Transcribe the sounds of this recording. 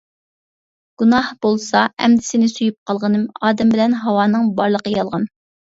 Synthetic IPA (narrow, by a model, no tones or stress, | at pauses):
ɡ̥unɑhbolˠsɑɛ̰md̪ɪsɪnɪsujup̚qʰɑlˠʁənɨmɑːd̪ɛmbɪlɛnɦɑwɑːnɨŋbɑɾlˠəqəjɑlˠʁɑn